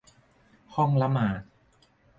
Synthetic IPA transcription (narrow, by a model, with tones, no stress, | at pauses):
hɔ˥˩ŋla˦˥maː˨˩˦t̪̚